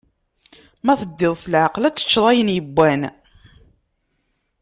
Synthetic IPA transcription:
mæθəd̪ːɪðˤsəlʕəqlæt͡sːə̥t͡ʃːðˤɑjənjəbʷːæn

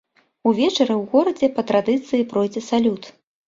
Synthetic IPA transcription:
uvʲɛt͡ʂɐɾɨwɣɔɾɐd͡zʲɛpɐt̪ɾad̪ɨt̪sɨjipɾɔjd͡zʲɛsalʲut̪

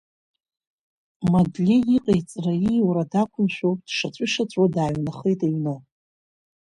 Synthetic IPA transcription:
madlʲiiqʼajt͡sʼrajiwɾadakʷʰʊnʃᶣowpʼd̥ʂat͡ɕʷʼʏʂat͡ɕʷʼodaːɥnaχejtʼeɥnow

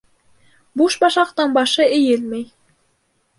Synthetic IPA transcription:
buʃbɑʃɑqt̪ɑnbɑʃɤejelmej

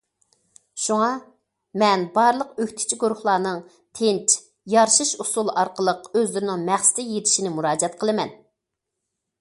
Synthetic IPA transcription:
ʃuŋɑ | mɛnbɑɾlˠəqøkʲt̪ʰɪ̥t͡ʃʰiɡuɾʊχlˠɑːnɨŋ | t̪ʰent͡ʃ | jɑɾʃɨʃusulˠɑɾqəlˠəqøzlyɾɪnɪŋmæχsɪ̥t̪ʰɪjet̪ʰɪ̥ʃinɪmuɾɑːd͡ʒɛt̪̚qʰəlˠɨmɛn

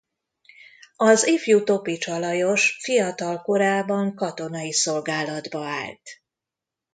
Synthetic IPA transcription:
ɒzifjut̪o̞pit͡ʃɒlɒjo̞ʃfijɒt̪ɒlko̞ɾaːbɒŋkɒt̪o̞nɒjiso̞lɡaːlɒd̪bɒa̰ːlt̪

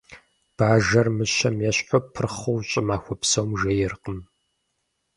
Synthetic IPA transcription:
b̥aːʒɐrmɨɕɐmjɛɕħʷʊpʰɨrχowɕʼɪmaːxʷɔpsɐwmʒɐjɪrqəm

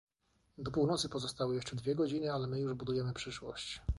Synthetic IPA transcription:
d̪ɔpuwnɔt̪sɘpɔzɔst̪awɘjɛʂt͡ʂɛd̪vʲjɛɡɔd͡ʑinɘalɛmɘjuʐbud̪ujɛmɘpʂɘʂwɔ̰ɕt͡ɕ

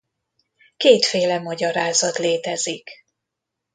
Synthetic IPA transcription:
keːt̪feːlɛmɒɟɒɾaːzɒt̪leːt̪ɛzik

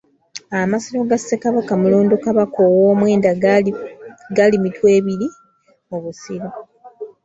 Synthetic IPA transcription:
amasoloɡasːekaβakamulo̞ːndokaβakowoːmwe̞ːnda | ɡalimitwe̞ːβiɾi | o̞βusiɾo

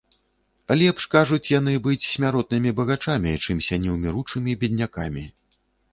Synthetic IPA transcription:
lʲɛpʂkaʐut͡sʲjanɨbɨt͡sʲsʲmʲaɾɔt̪̚nɨmʲibɐɣat͡ʂamʲit͡ʂɨmsʲanʲɛwmʲiɾut͡ʂɨmʲibʲɛd̪̚ʲnʲakamʲi

